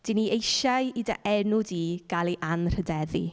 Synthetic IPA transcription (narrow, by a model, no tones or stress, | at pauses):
d̥iniʔejʃajida̰ʔɛnʊdiːɡ̥alˠiʔanr̥ədɛðḭ